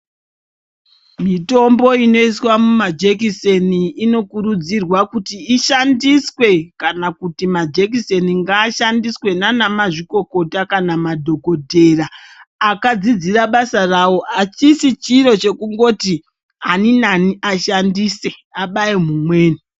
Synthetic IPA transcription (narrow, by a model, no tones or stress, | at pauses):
mito̞mbo̞ino̞iswamumad͡ʒek̬ise̞niːno̞kuɾud͡zirwakutiːʃandiswe̞kanakutimad͡ʒek̬ise̞niŋɡaːʃandiswe̞nanamaʐiko̞ko̞takanamadʱo̞ɡo̞dʱe̞raːkad͡zid͡ziraɓasarawo̞at͡ʃisit͡ʃiɾo̞t͡ʃe̞kuŋɡo̞ti | aninaniʔaʃandise̞aɓaimumwe̞ːni